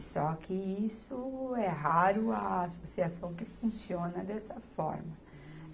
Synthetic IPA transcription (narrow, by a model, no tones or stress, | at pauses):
sɔkɪisʊɛɦaɾʊɐasosiasɐ̃w̃kɪfũsiõnɐd̪ɛsɐfɔ̰ɾmɐ